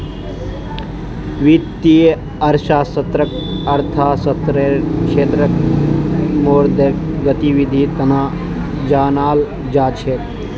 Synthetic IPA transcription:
ʋit̪ːi | ɐɾʃaːsɐt̪ɾəkɐɾt̪ʰaːsɐt̪ɾeʃeːt̪ɾək | moːɾd̪ʱekɡɐt̪iʋid̪ʱit̪ɐna | d͡ʒaːnaːl | d͡ʒaːt͡ʃʰe

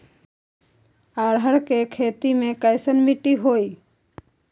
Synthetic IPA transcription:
aɽɦəɽkekʰeːt̪imẽkəjsənmiʈiɦoːi

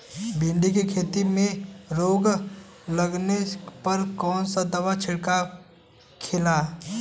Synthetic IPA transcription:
bɪ̃ɳɖikikʰeːt̪imẽɾoːɡ | ləɡnepəɾkɔːnsad̪əʋat͡ʃʰɪɽka | kʰɪla

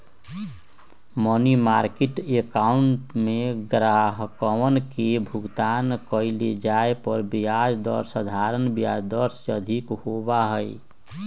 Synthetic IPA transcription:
mɔnimaːɾkeʈekaːʊɳʈmẽɡɾaːɦkəwənkebʱʊɡt̪aːnkəɪled͡ʒaːepəɾbijad͡ʒd̪ə̰ɾsəd̪ʱaːɾənbijaːd͡ʒd̪əɾsəd̪ʱikhobaɦəḭ

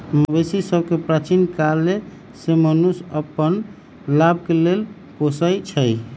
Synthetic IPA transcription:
məbesisəb̚ʱkepɾat͡ʃinkalːe | semənusəpːən | lab̚ʱkelel | posəjt͡ʃʰəj

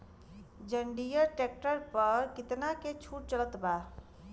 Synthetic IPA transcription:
d͡ʒəɳɖijəɾʈek̚ʈəɾpəɾkit̪naket͡ʃʰuʈ̚t͡ʃələt̪ba

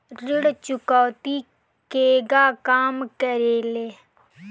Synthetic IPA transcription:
ɾɪɽt͡ʃʊkaːt̪i | keːɡaːkaːmkəɾeːleː

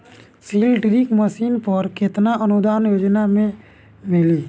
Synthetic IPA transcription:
siːlʈɾikməsiːnpəɾkɪt̪naʔənʊd̪aːnjoːd͡ʒnamẽ | mɪliː

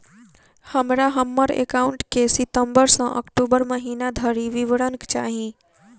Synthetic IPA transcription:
həmɾaɦəmːəɾḛkaʊɳʈkesɪt̪əmbəɾsə̃ʔə̰kʈubəɾməɦiːnad̪ʱəɾiʋiʋɽənkt͡ʃa̰ːɦĩ

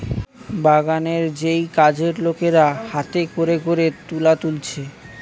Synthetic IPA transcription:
baɡaneɾd͡ʑejkad͡ʑeɾlokeɾahat̪ekoɾeɡoɾet̪ulat̪ult͡ɕʰe

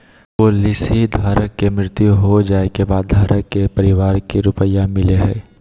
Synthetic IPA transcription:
polɪsid̪ʱaːɾəkːemɾɪt̪juɦod͡ʒaːekebaːd̪̚d̪ʱaːɾəkːepəɾɪʋaːɾkiɾʊpəjamɪleɦɛ̃ː

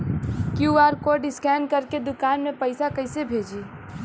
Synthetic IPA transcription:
kjuaɾkoɾɖɪskɛnkəɾked̪ʊkanmepəɪsakəɪsebʱed͡ʒi

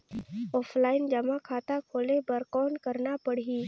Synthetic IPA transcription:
ɔːpʰlaːɪnd͡ʒɐmakʰaːt̪akʰoːlebəɾqɔːnkəɾnapəɽ̤i

